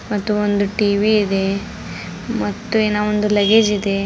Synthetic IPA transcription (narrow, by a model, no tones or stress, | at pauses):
mɐt̪ːuond̪uʈiːʋiːd̪e̞ | mɐt̪ːueːnaːʋond̪ulɐɡed͡ʒid̪e̞